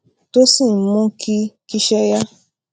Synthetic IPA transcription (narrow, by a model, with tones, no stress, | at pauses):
to˦si˦˨n̩˦mɔ̃˦kʰi˦ki˦ʃɛ˦ja˦